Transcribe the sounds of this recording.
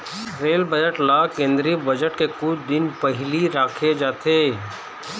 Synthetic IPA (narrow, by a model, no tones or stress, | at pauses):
ɾeːlbəd͡ʒəʈlaːkẽːnd̪ɾibɐd͡ʒəʈkekʊd̪ɪnpɐɦliɾaːkʰed͡ʒaːt̪ʰeː